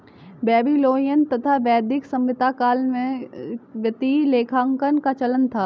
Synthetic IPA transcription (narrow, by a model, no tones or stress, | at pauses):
bɛːbiloːijən̆t̪ɐt̪ʰaʋɛːd̪ɪksɐ̃mʋɪt̪akaːlmẽʋjɐt̪ileːkʰãːŋkənkat͡ʃɐlənt̪ʰaː